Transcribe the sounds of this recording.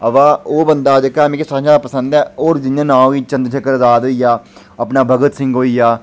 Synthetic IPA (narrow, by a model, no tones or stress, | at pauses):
əʋaːoːbənd̪aːd͡ʒ̪ekːaːmẽːkesaːaːd̪aːpəsə̃nd̪ɛːoːɾd͡ʒɪnãːnãːiːt͡ʃə̃nd̪ɾt͡ʃʰəkəɾzaːd̪əːijaː | əpnaːbʱəɡət̪sɪ̃ŋɡoːiːjaː